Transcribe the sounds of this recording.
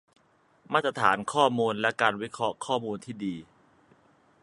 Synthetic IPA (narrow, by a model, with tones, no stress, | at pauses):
maː˥˩t̪ːɾa˧t̪ʰa̰ː˩˦nkʰɔː˥˩muː˧nlɛ˦˥kaː˧nwi˦˥kʰɾɔ˦˥kʰːɔː˥˩muː˧nt̪ʰiː˥˩diː˧